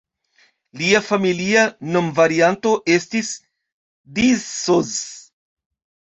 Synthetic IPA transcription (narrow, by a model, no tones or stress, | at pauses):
liafamiliano̞mvaɾianto̞ʔe̞stis | dizoz